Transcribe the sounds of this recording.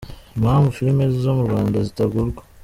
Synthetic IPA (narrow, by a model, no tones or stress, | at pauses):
maambufiɾimezizo̞muɾɡwaːndazitaɡuɾɡwḁ